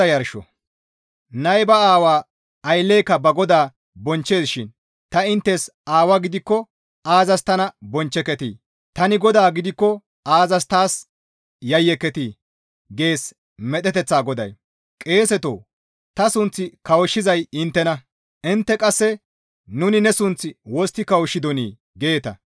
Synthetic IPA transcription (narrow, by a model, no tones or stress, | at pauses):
ɐjɐɾʃɔ̰ | nɐjbɐaːwaː | ɐjlːeːkːɐbɐɡɔd̪aː | bɔnt͡ʃːe̞ːsʃɪn | t̪ɐɪnt̪ːɛsaːwɐɡɪd̪ɪkːɔ | aːzɐst̪ɐnɐbɔnt͡ʃːɛkːɛt̪ḭː | t̪ɐnɪɡɔd̪aːɡɪd̪ɪkːɔ | aːzɐst̪aːs | jɐjːɛkːɛt̪i | ɡe̞ːs | mɛt̪ɛt̪ɛt͡sːaːɡɔd̪ɐ̰j | kʼe̞ːsɛt̪o̰ː | t̪ɐsʊnt͡sːɪkɐwʊʃːɪzɐjɪnt̪ːɛnɐ | ʔɪnt̪ːɛkʼɐsːɛ | nʊnɪnɛsʊnt͡sːɪwɔst̪ːɪkɐwʊʃɪd̪ɔnḭː | ɡe̞ːt̪ɐ̰